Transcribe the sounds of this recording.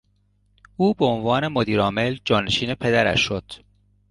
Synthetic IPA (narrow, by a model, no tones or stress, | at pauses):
ʔuːbeonvɒːne̞mod̪iːɾɒːme̞ld͡ʒɒːneʃiːne̞pʰe̞d̪æɾæ̰ʃːod̪̥